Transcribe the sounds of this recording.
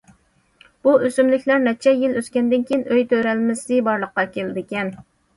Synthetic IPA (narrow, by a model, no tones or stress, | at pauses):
b̥uʔøsymlɪkʲlæɾnɛt͡ʃʰɛjiløskʲɛnd̪ɪnkʲʰejinʔøjt̪ʰøɾɛlmɪsɪbɑɾlˠəqːɑkʲʰelɪd̪ɪkʲɛn